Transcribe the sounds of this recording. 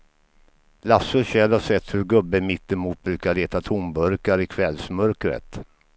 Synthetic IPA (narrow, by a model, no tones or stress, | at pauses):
lasɵɕɛlhaʂɛt̪ːhɵɾɡɵbːəmɪt̪ːɛmuːt̪̚bɾʉ̟ːkaɭeːt̪at̪ʰʊmbœɾkaɾɪkʰvɛlsmœɾkɾə̰t̪